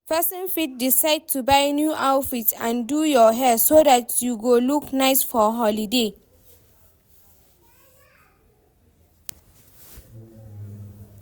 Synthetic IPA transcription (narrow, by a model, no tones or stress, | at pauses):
pʰɛsə̃nfit̚disaɪd̚tʰubajnjuʔawfitã̰ndujɔɦɛsodatʰjuɡoluknajsfɔɦɔlide